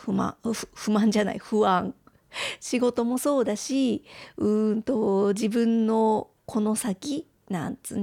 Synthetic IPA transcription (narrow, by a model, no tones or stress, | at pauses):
ɯmã̰ɯ̥ɸɯ̟mãɲ̟d͡ʑana̰iɸɯ̟ãŋ | ɕiɡo̞t̪o̞mo̞so̞ːd̪aɕiɯ̟nt̪o̞d͡ʑibɯ̟̃nːo̞ | kʰo̞no̞sakʲi | nã̰nt͡sɨn